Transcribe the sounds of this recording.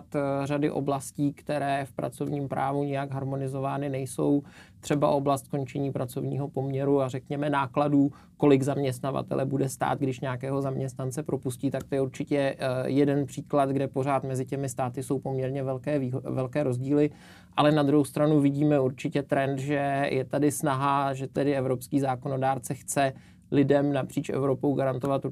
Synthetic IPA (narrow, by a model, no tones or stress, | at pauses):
t̪radɪʔo̞̰blasciːkt̪ɛɾɛːfpɾa̰t͡so̞vɲiːmpɾa̰ːvuɲɛjaɡɦaɾmo̞nɪzo̞vaːnɪnɛjso̞wt̪r̥ɛba̰ʔo̞blast̪ko̞nt͡ʃɛɲiːpɾat͡so̞vɲḭːɦo̞po̞mɲɛɾuarɛkɲɛmɛnaːkladuː | ko̞lɪɡzamɲɛst̪nava̰t̪ɛ̰lʔɛ̰budɛst̪a̰ːt̪̚ɡdɪʃɲɛakɛːɦo̞zamɲɛst̪nant͡sɛpɾo̞pusciːt̪ak̚t̪o̞jɛuɾt͡ʃɪcɛjɛdɛnpr̝̥iːklad̪ɡdɛpo̞ɾ̝aːt̪mɛzɪcɛmɪst̪aːt̪ɪsowpo̞mɲɛɾɲɛvɛlkɛːviːɦvɛlkɛːɾo̞zɟiːlɪ | ʔalɛnad̪ɾuɦowst̪ɾanuvɪɟiːmɛuɾt͡ʃɪcɛt̪ɾɛnt̪ʒɛjɛt̪adɪsnaɦaʒɛt̪ɛdɪɛvɾo̞pskiːzaːko̞no̞daːɾt͡sɛxt͡sɛ | lɪdɛmnapr̝̥iːt͡ʃʔɛ̰vɾo̞powɡaɾant̪o̞vat̪u